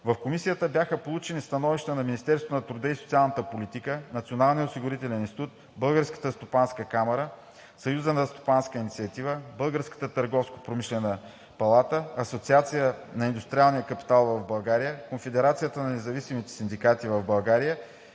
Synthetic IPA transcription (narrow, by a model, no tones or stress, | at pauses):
vəfkomisijət̪əbjaxəpolˠut͡ʃɛnist̪ɐnɔviʃt̪ənɐminist̪ɛɾst̪vonɐt̪ɾʊd̪əisot̪sialˠnət̪əpolit̪ikənɐt̪sionalˠnijəosiɡʊɾit̪ɛlɛninst̪it̪ut̪̚ | bɤlˠɡəɾskə̥t̪əst̪opanskəkamɛɾə | sɐjuzənɐst̪o̥panskəinit̪siɐt̪ivəbəlˠɡəɾskə̥t̪ət̪əɾɡɔfsko̥pɾomiʃlɛnə | pɐlˠat̪əɐsot̪siat̪sijənɐind̪ust̪ɾʲialˠnijəkɐpi̥t̪alˠvɐvbɐlˠɡaɾijəkonfɛd̪ɛɾat̪sijət̪ənɐnɛzɐvisimit̪ɛ̥sind̪ikat̪ivəvbɐlˠɡaɾijə